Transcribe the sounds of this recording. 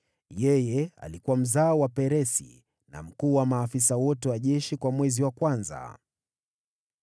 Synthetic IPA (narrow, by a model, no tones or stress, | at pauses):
jɛjɛa̰likuwam̩zaːwapɛɾɛsḭ | na̰m̩kuːwamaːfisawɔtɛwaʄɛʃikwamwɛziwakwanza̰